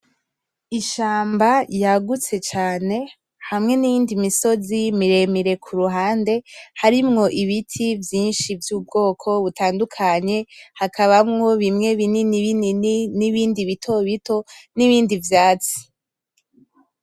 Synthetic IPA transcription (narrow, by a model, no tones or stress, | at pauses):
iʃaːmbajaɡut͡se̞t͡ʃaːne̞ | hamŋe̞nijiːndimiso̞zimiɾe̞miɾe̞kʰuɾuɦaːnde̞haɾimŋo̞ʔiβitʰivjiːnʃivjuːb̚ɡo̞ːkʰo̞βutaːndukʰaɲe̞hakʰaβamŋo̞βimŋe̞βininiβinininiβiːndiβitʰo̞βitʰo̞niβiːndivjaːt͡si̥